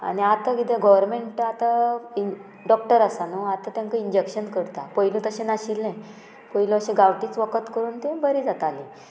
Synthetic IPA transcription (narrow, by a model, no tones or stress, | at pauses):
a̰niat̪aɡit̪ɛ̃ɡɔʋəɾmeɳʈat̪ai | ɖɔk̚ʈəɾasanoat̪at̪jãŋkaind͡ʑekɕənkəɽt̪apəjlũt̪əɕẽnaɕilːẽ | pəjlõəɕẽɡaʋʈiːt͡sʋəkət̪kəɾuːnt̪ẽbəɾid͡zat̪alĩ